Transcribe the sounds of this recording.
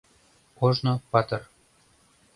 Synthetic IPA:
oʒnopɑt̪ɤ̆r

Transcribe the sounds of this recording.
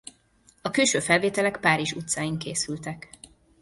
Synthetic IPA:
ɒkyːʃøːfɛlveːt̪ɛlɛkpaːɾiʒut̪saːjiŋkeːsylt̪ɛk

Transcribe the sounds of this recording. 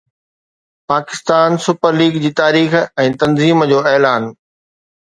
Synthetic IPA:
paːkɪst̪aːnsʊpəɾliːɡd͡ʑiːt̪aːɾiːxɛ̃ːt̪ɐnziːmd͡ʑoːɛːlaːn

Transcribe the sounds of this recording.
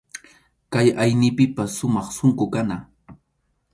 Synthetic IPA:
kajajnɪpɪpaʃʊmɑχsʊŋkʊkanaː

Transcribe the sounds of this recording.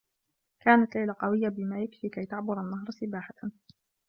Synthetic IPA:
kaːnat̪lajlaqɑwɪjːabɪmaːjakfiːkajt̪aʕbʊɾˤanːaɦɾˤsɪbaːħaa

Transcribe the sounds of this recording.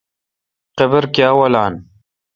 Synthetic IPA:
qebɨɾkjaːwɐlaːn

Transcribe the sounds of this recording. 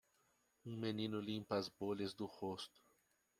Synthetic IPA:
ũmenĩnʊlĩmpɐɐzbolɐzd̪ʊhost̪ʊ̥

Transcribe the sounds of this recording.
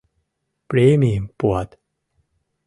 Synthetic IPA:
pɾiːmiːmpuət̪̚

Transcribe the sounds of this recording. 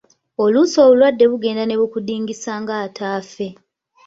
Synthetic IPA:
o̞luso̞ːβulwadːe̞βuɡe̞ːndane̞βukudiːŋɡisaːŋɡaːtʰaːfe̞

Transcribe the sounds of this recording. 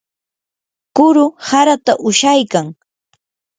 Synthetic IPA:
kʊɾʊhaɾat̪aʔʊʃajkaŋ

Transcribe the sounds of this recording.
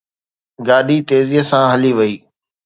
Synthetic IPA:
ɡaːɗit̪eːziːɦəsãɦɐliʋɐiː

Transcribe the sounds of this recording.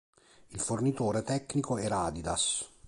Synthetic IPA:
ilfornit̪oːɾet̪ɛkːnikoɛɾaːd̪id̪as

